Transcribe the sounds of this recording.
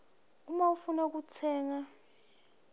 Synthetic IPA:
umaufunak̬ut͡sʰɛːŋa

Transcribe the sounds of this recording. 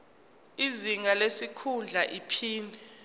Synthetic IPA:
iziŋalesikʰund͡ɮʱaʔipʰiːndʱɛ

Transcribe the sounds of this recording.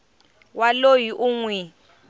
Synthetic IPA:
walojiʔuŋwɛ

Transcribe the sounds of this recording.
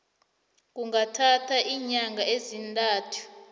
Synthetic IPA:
k̬ʼuŋɡatʰatʰaʔiːɲaŋɡʱaezintʼaːtʰu̥

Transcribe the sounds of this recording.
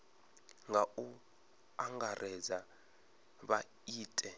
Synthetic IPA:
ŋɡau | aŋɡarʔɛza | ɓa | iːtʼɛ

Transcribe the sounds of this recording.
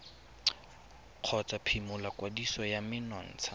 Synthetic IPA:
q͡χʰɔt͡sʼapʰimʊlakwadisɔjamɪnɔn̩ːt͡sʰa

